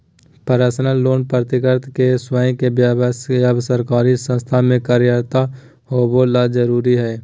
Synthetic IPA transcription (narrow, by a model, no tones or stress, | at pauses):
pəɾaːsnaloːnpɾət̪ɪkəɾt̪ʰkeswaːĩkebjaːbəskeəbsəɾkaːɾisə̃nst̪ʰamẽkaːɾjɾt̪a | ɦobolad͡ʒəɾuːɾiɦɛː